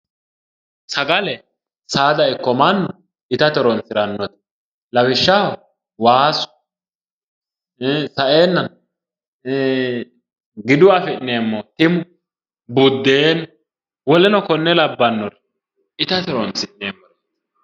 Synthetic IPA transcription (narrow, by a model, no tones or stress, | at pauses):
sɐɡɐlɛ | saːd̪ɐɪkːɔmɐnːɔ | ɪt̪ɐt̪ɛɾɔnsɪɾɐnːɔt̪ | lɐwɪʃːah | waːsʊ̥ | sɐʔeːnːɐn | ɡɪd̪ʊwafɛnːeːmːɔt̪ɪmʊ | bʊd̪ːeːn | wɔlɛnɔkɔnːɛlɐbːɐnːɔɾ | ɪt̪ɐt̪ɛɾɔnsɪneːmːɔɾ